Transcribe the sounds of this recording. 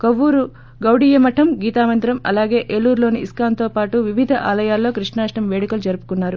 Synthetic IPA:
kɐʋːuːɾu | ɡɐwɽijɐmɐʈʰɐmɡiːt̪aːʋɐnd̪ɾɐmɐ̰laːɡe̞ːʔelːuːɾlo̞ːniʔiskaːnt̪o̞ːpaːʈuʋiʋid̪ʱɐʔaːlɐjaːlːo̞ːkɾiʂɳaːʂʈɐmʋeːɽikɐlud͡ʒɐɾupu̥kunːaːɾu

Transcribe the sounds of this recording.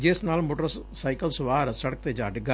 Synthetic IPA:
d͡ʒɪsnaːlmoːʈəɾsaːɪkəlsʊʋaːɾsəɽək̚t̪eːd͡ʒaːɖɡa

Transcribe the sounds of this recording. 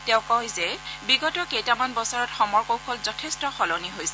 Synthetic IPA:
tɛʊ̃kɔjzɛbiɡɔtɔkejtamanbɔsɔɹɔtxɔmɔɹkowkʰɔlzɔtʰestɔxɔlɔniɦojsɛ

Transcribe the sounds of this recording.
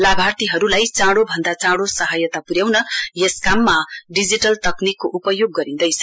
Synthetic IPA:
labʱart̪iɦʌɾulajt͡sãɽobʱʌnd̪at͡sãɽosʌɦʌjʌt̪apuɾjawnʌjeskamːaɖid͡ziʈʌlt̪ʌknikːoʔupʌjoɡːʌɾind̪ʌjt͡sʰʌ

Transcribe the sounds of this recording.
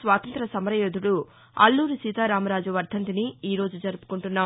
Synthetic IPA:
sʋaːt̪ɐnt̪ɾɐsɐmɐɾɐjoːd̪uɽu | ɐ̰lːuːɾusiːt̪aːɾaːmɐɾaːd͡ʒuʋɐɾd̪ʱɐnt̪̬iniiːɾo̞ːd͡ʒud͡ʒɐɾupu̥kuɳʈunːaː

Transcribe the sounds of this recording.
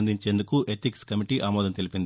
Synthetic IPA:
nd̪iɲt͡ʃe̞ːnd̪ukuʔeʈ̪ikskɐmiʈiʔaːmɔːd̪ɐnt̪elipind̪

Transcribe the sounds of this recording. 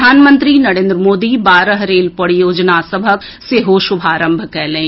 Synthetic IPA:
aːnmə̃nt̪ɾinɐɾẽːnd̪ɾəmoːd̪ibaːɾəɦɾeːlpɐɽjoːd͡ʒnasəbʱək | seɦoːʃʊbʱaːɾə̃mbʱkɛːlẽ

